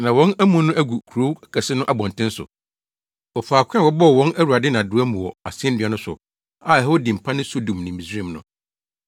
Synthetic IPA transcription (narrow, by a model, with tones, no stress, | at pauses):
nã˨wɔ̃˦næ˦mũ˦nʊ̃˦ʔæ˦ɡu˨kʰu˨ɾo˦kʰɛ˨sɪ˦nʊ̃˦ʔa˨bɔ̃˨ntʰɪ̃˦n˦sʊ̰˨ | ɔ˨faː˨kʷʰɛ̃˦˨wɔ˦bɔ˦˨wɔ̃˦næ˦wu˨a˨dɪ˦nã˨dʊ˨˦æ˦mũ˨ɔ˨a˨sɛ˦n˦dɪ˨a˨˦nʊ̃˦sʊ̰˨ | a˦˨ɛ˨ho˦dĩ˨m̩˨pʰã˦nɪ̃˦so˦dũ˨mnɪ̃˨m̩˨ĩ˨sĩ˦˨mnʊ̰̃˨